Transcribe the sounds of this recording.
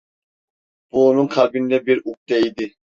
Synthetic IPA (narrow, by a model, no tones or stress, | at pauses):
b̥uːnuŋkʰɑlbind̪ɛbiɾuk̚t̪ɛid̪ɪ